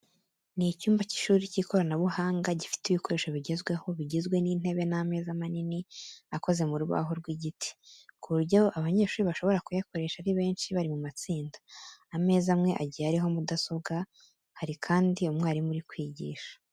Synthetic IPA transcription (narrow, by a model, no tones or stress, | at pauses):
nicuːmbaci̥ʃuːɾiciːko̞ɾanaβuhaːŋɡaɟifi̥tiβiko̞ɾe̞ːʃoβiɟe̞zɡwe̞ho̞βiɟizɡwe̞niːn̥e̞βe̞name̞ːzamaniniako̞ze̞muɾuβa̰ɦo̞ɾɡwiɟiti̥kuɾuɟaoʔaβaɲe̞ːʃuːɾiβaʃo̞βo̞ɾakujako̞ɾe̞ːʃaɾiβe̞ːnʃiβaɾimumat͡siːndḁːme̞ːzamŋe̞ʔa̰ɟijaɾiɦo̞mudaso̞βɡa | haɾikʰaːndiumŋaːɾimuɾikwiːɟḭːʃḁ